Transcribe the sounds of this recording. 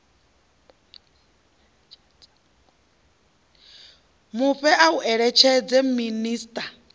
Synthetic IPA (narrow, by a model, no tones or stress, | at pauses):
muɸɛʔauʔɛɺɛt͡ʃʰɛd͡zɛminiːstʼa